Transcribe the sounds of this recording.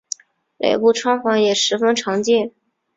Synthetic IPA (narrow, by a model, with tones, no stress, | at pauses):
lḛ˨˩ɪpu˥˩ʈ͡ʂʰwɑ˥ŋfɑ˧˥ŋjɛ˨˩ʂɻ̩˧˥fə˥nʈ͡ʂʰɑ˧˥ŋt͡ɕjɛ˥˩